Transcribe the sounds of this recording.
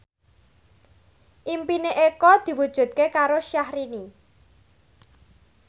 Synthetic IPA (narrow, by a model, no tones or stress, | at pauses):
ʔimpineʔekɔd̪̥i̤wud̥ʒ̥ṳd̪̚kekaɾoʃahɾini